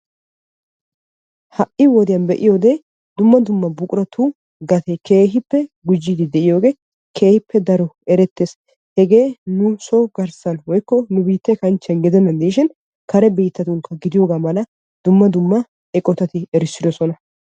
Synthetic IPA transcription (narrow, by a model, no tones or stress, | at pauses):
hɐʔɪwɔd̪ɪjɐnbɛʔɪjo̞ːɡ̪eː | d̪ʊmːɐd̪ʊmːɐbʊkʼʊɾɐt̪ʰu | ɡɐt̪ʰekʰe̞ːɦɪpːɛɡʊd͡ʒːid̪ɪd̪ɛʔɪjo̞ːɡe̞ː | kʰe̞ːhɪpːɛd̪ɐɾɔɛɾɛt̪ːeːs | hɛɡe̞ːnʊsoːɡɐɾsɐnwɔjkːɔnʊbiːt̪ːɛkɐnt͡ʃːɐnɡɛd̪ɛnɐnd̪iːʃɪn | kɐɾɛbiːt̪ːɐt̪ʊŋkːɐɡɪd̪ɪjo̞ːɡaːmɐlɐ | d̪ʊmːɐd̪ʊmːɐ | ɛkʼɔt̪ɐt̪ɪɛɾɪsːɪd̪ɔsɔnɐ